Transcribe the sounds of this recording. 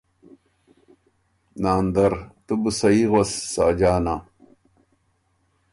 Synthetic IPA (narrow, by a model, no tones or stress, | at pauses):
naːnd̪ɐɾt̪ubusɐiɣosːaːd͡ʑaːna